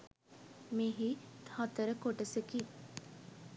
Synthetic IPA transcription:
miɦihɔt̪əɾəkoʈəseki

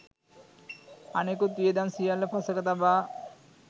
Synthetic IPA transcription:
anekot̪ied̪ansijalepʰasəkat̪aba

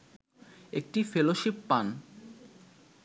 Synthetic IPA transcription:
ek̚ʈifeloʃipːan

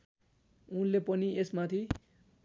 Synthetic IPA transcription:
unlepʌniesmat̪ʰi

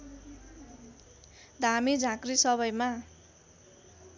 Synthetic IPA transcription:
d̪ʱamid͡zʱãkrisʌβʌjma

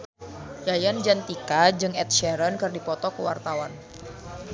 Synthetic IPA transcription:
jajand͡ʒant̪ikad͡ʒɨŋɛt̪̚ʃɛɾənkɨrdipɔt̪ɔkəwart̪awan

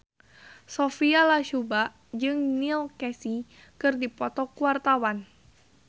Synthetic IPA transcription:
sofialaʃubaʔ | d͡ʒɨŋnilkɛsi | kɨrdipɔt̪ɔkuwart̪awan

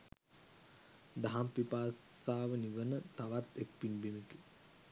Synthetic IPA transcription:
d̪aɦampipaːsaːʋəniʋənət̪aʋat̪ek̚pinbimiki

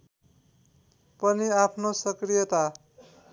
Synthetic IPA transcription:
pʌniapʰnosʌkrijʌt̪a

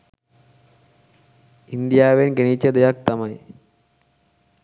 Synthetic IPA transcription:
ind̪ijaːʋenɡeɳit͡ʃːɐd̪ɐjak̚t̪ɐmɐj

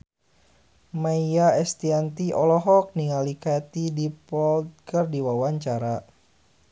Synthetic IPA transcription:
maijaɛst̪iant̪iʔɔlɔɦɔk̚niŋalikat̪idipɔlt̪̚kərdiwawaɲt͡ʃaɾa

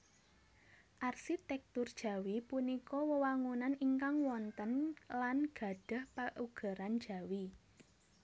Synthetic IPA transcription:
ʔarsit̪ɛk̚t̪urd̥ʒ̥ä̤wipunikɔwəwaŋunaniŋkaŋwɔnt̪ənlanɡ̥a̤ɖ̥ə̤hpaʔuɡ̥a̤ɾand̥d͡ʒ̥a̤wi

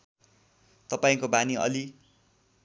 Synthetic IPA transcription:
t̪ʌpaĩkobaniʌ̰li

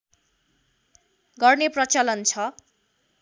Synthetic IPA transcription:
ɡʌrneprʌt͡sʌlʌnt͡sʰʌ

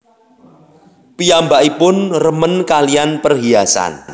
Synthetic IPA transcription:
piambaʔipʊnrəmənkalianpərɦiasa̰n

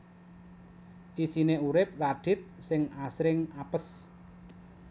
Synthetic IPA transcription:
ʔisineuɾɪp̚raɖ̪̥ɪ̤t̪̚sɪŋasɾɪŋapəs

